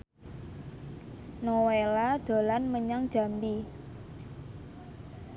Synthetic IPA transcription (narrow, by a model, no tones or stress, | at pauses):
nowelad̪̥o̤lanməɲaŋd̥ʒ̥a̤mbi